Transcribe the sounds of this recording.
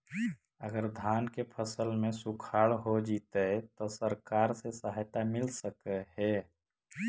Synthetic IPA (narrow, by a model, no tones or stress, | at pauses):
əɡəɾd̪ʱaːnkepʰəsəlmẽsʊkʰaːɭɦod͡ʒiːt̪eɛt̪osəɾkaːɾsesəɦajt̪amɪlsəkɦɛː